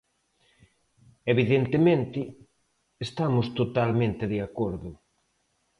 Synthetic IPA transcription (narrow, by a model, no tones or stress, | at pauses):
eβiðent̪emẽnt̪ɪ | est̪amʊst̪ot̪almẽnt̪ɪðeakoɾðʊ